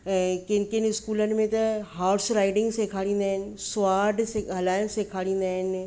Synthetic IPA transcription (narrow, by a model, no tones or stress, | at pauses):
kɪnkɪnɪskuːlənmẽt̪ɐɦaːɾsɾaːɪɖɪ̃ŋɡsekʰaːɽĩːnd̪aɦɪn̆soaːɖseɦɐlaːjənsekʰaːɽĩːnd̪aɦɪn